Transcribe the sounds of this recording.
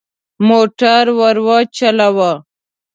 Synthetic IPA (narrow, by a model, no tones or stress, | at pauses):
moːʈaɾwaɾwat͡ʃalawa